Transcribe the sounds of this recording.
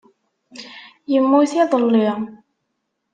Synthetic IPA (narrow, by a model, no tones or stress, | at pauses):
jəmːuθiðˤəlːi